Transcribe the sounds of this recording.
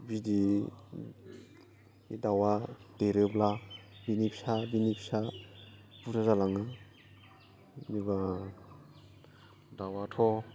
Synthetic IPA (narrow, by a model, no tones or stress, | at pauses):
bidi | dawadeɾɯblabinipʰisabinipʰi̥sa | puɾʰazalaŋa | niba | dawatʰɔ